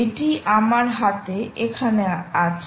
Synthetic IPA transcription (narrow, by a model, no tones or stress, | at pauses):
eʈiʔamaɾɦat̪eekʰaneat͡ɕʰ